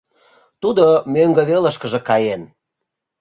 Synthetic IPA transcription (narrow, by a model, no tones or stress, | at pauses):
t̪ud̪omøŋɡə̆βeləʃkəʒĕkɑjen